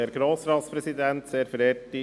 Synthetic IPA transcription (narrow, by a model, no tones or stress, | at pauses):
eːɾɡɾoːsɾɑːt̪spɾɛsid̪ænt̪seːɾfəɾɛti